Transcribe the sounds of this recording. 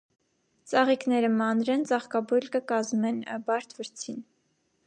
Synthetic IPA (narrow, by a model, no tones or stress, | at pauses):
t͡sɑʁiknɛɾəmɑnɾɛnt͡sɑχkɑbujlkəkɑzmɛnbɑɾt̪ʰvəɾt͡sʰin